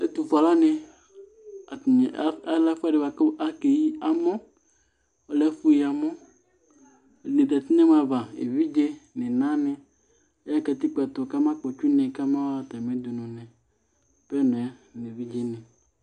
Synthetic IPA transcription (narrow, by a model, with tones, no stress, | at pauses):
e˦t̪u˨fa˨la˦nẽ˨ | a˨ɲ˨˦a˦la˦fa˦ɖɪ˨βa˨ka˦ke˨ji˦a˨mɔ̃˦ | ɔ˨lɛ˦fu˦i˨a˨mɔ̃˦˨ | nɪ̃˨t̪ɛ˨t̪ɪ˦nɛ̃˦m˦a˨va˨ḛ˨vi˦d͡ʒe˦nɪ̃˨nã˦nɪ̃˨˦ | a˦ka˨t̪i˦k͡pɛ˨t̪ɔ˨ka˦mã˦k͡pɔ˨t͡ʃu˦nɛ̃˨ka˦mã˦a˨t̪a˨mẽ˦d̪u˨nɔ̃˨nɛ̃˨ | pɛ˦nɔ̃˨a˦nẽ˨vi˦d͡ʒe˦nɪ̃˨